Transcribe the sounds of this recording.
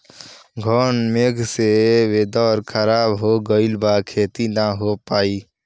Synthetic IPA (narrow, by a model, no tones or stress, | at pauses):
ɡʱɔːnmeːɡʱseʋeːd̪ɔːɾkʰəɾaːbɦoɡəɪlbaːkʰeːt̪inaɦopaːiː